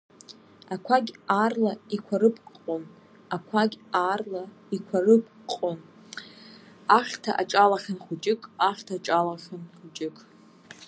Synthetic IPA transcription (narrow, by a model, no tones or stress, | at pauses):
akʷʰaɡʲarlaikʷʰaɾɨpʰʼqʼqʼon | akʷʰaɡʲarla | ikʷʰarɨpʼ | qʼon | aχʲtʰa̰ʔat͡ʃʼalaχʲanχʷut͡ʃʼɪkʼaχʲtʰaːʈ͡ʂʼalaχʲanχʷut͡ʃʼɪkʼʰ